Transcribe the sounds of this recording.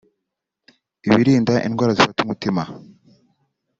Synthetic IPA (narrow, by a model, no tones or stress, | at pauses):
iβiɾiːndaʔinɡwaːɾazifatumutima